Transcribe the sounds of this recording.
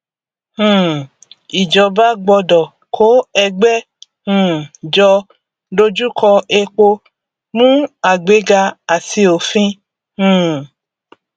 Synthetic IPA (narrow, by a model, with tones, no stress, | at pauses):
hũ˨ | i˨d͡ʒɔ˧ba˦ɡ͡bɔ˧dɔ˨ | kʰo˨˦ɛ˧ɡ͡bɛ˦ | hũ˦˨d͡ʒɔ˧ | ɖo˧d͡ʒu˦kʰɔ˧ʔe˧k͡po˧ | mũ˦a˨ɡ͡be˨˦ɡa˧a˨si˧o˨fĩ˦ | hũ˦˨